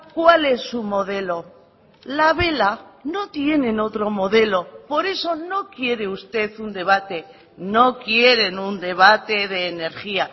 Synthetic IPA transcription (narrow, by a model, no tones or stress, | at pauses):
kwale̞sːumo̞ðe̞lo̞ | laβe̞lano̞t̪je̞ne̞no̞t̪ɾo̞mo̞ðe̞lo̞po̞ɾe̞so̞no̞kje̞ɾe̞ust̪e̞θund̪e̞β̞at̪e̞ | no̞kje̞ɾe̞nund̪e̞β̞at̪e̞ðe̞ːne̞ɾxia